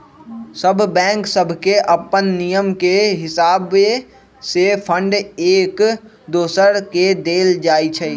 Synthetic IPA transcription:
səbʱbɛ̃ːŋksəbʱkeʔɐpənːijəmkeɦɪsaːb | sepʰə̃ɳɖeːk | d̪oːsəɾked̪eːld͡ʒaːit͡ʃʰɛ

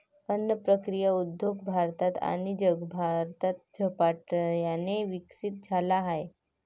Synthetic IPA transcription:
ənːəpɾəkɾijaud̪joɡbʱaɾt̪at̪a̰nid͡ʑəɡbʱaɾt̪at̪̚d͡ʑʱəpaʈjaneʋiksit̪̚d͡zʱalaɦaje

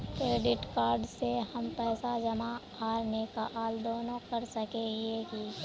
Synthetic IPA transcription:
kɾeːɖɪʈkaːɾɖsehɐmpɛːsad͡ʒɐma | aːɾnekaʔaːld̪oːnõkɐɾsɐkeɦeki

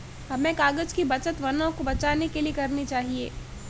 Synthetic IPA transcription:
ɦɐmẽkaːɡəd͡ʒkibɐt͡ʃət̪ʋɐnõkobɐt͡ʃaːnekeliekɐɾnit͡ʃaːɦiḛː

